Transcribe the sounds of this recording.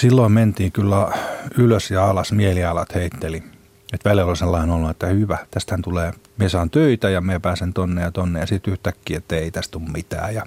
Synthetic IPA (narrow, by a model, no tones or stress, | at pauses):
silːoimment̪iːkylːæyløsjɑɑlɑsmieliɑlɑt̪heit̪ːeli | et̪ʋæljelolselːɑinolːuet̪ːæhyʋæt̪æst̪hænt̪uleːmiesɑːnt̪øit̪æjɑmiepæːsent̪onːejɑt̪onːḛjɑsit̪yht̪ækːiːet̪ːæeit̪æst̪ummit̪æ̰ːjɑ